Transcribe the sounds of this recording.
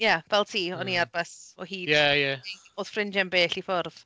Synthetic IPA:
javɛlˠtʰiːɔniarb̥asɔhiːjɛjae | oːð̥frɪnd͡ʒɛnbeːɬifʊrð̥

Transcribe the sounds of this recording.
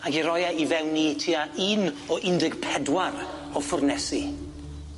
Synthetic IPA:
aɡiɾɔjaivɛwnitʰiaʔinɔʔɪndɪɡpʰɛdwaɾ | ɔfʊrnɛsi

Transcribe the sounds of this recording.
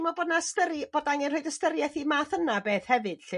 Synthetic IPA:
mɔbədnastəɾib̥oːdaŋɛnroɨjdəstəɾjɛθimaːθənabeːθhɛvɨd̥ɬ

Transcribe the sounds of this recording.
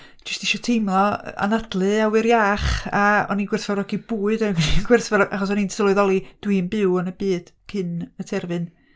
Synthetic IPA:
d͡ʒɪstɪʃɔtʰejmlˠɔa̰nadlˠɨawɪɾjaːχaɔ̰ninɡwɪrθvarɔɡib̥uːɨdaɡninɡwɪrθvaɾʔaχɔs̬ɔnintʰəlˠʊɨðɔlˠid̥winbɨwənəbɨːd̥kʰɨnətʰɛrvɨn

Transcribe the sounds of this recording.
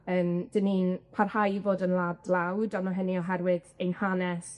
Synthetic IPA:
əːmd̥əninpʰarhajvoːdənlˠadlˠawdɔnɔɦəniɔɦɛrwɪðejnhanɛs

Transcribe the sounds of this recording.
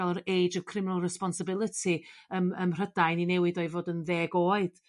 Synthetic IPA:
alˠəɾejd͡ʒəkʰrɪmɪnəlˠrɛspɔnsəbɪlˠətʰiəməmr̥ədajninɛwɪdojvoːdənðeːɡoːɨd̥

